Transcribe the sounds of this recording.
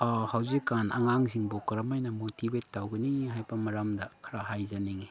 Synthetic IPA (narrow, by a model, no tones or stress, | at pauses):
ahawzikːanɐ̰ŋaŋziŋbokɾamajnɐmotibetːawɡiniŋɦajbɐmɐɾamdɐkʰɐɾahajzaniŋi